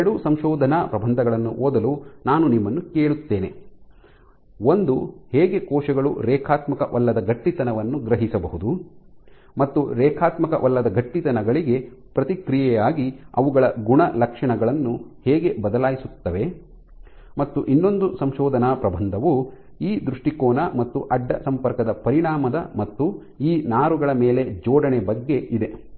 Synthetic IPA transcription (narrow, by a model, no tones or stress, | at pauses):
ɽusɐmʃɔːd̪ʱɐnaːpɾɐbʱɐnd̪ʱɐɡɐɭɐnːuʔoːd̪ɐlunaːnunimːɐnːukeːɭut̪ːeːne | ond̪uhɛːɡe̞kɔːʃɐɡɐɭṵɾɛːkʰaːt̪mɐkɐʋɐlːɐd̪ɐɡɐʈːit̪ɐnɐʋɐnːuɡɾɐɦisɐbɐɦud̪u | mɐt̪ːuɾɛːkʰaːt̪mɐkɐ̰ʔɐlːɐd̪ɐɡɐʈːit̪ɐnɐɡɐɭiɡe̞ | pɾɐt̪ikɾijɛjaːɡiɐ̰ʋuɡɐɭɐɡuɳɐlɐkʂɐɳɐɡɐɭɐnːuhɛːɡe̞bɐd̪ɐlaːjisut̪ːɐʋe̞ | mɐt̪ːuʔinːo̞nd̪usɐmʃɔːd̪ʱɐnaːpɾɐbʱɐnd̪ʱɐʋu | iːd̪ɾuʂʈikɔːnɐmɐt̪ːuʔɐɖːɐsɐmpɐɾkɐd̪ɐpɐɾiɳaːmɐd̪ɐmɐt̪ːu | iːnaːɾuɡɐɭɐmeːle̞d͡ʒɔːɖɐɳebɐɡːe̞ʔid̪e̞